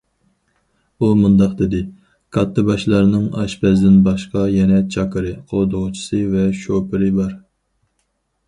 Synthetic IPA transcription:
umund̪ɑqd̪ɪd̪ɪ | kʰɑt̪ʰːɨbɑʃlˠɑɾnɨŋɑ̰ʃbɛzd̪ɪnbɑʃqɑjɛnɛt͡ʃʰɑkʰɨɾɨqʰolˠd̪ʊʁʊt͡ʃʰi̥sɨvɛʃopʰɪɾɨbɑɾ

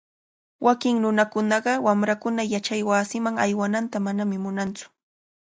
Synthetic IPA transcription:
wʔakɪŋnʊnakʊnɑɢɑwamɾakʊnajat͡ʃajwaːsɪmaŋajwanant̪amanamɪmʊnant͡sʊ̥

